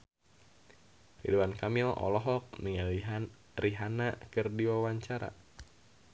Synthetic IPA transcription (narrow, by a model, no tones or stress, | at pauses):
rḭduwankamiɔʔɔ̰lɔɦɔk̚niŋa | riɦanakɨrdiwawaɲt͡ʃaɾa̰